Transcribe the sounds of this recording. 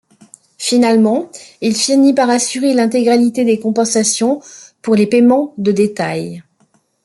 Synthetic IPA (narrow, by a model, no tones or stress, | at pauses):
finalmɑ̃ilfinipaʁasyʁelɛ̃t̪eɡʁalit̪ed̪ekɔ̃pɑ̃sasjɔ̃puʁlepemɑ̃d̪əd̪et̪aj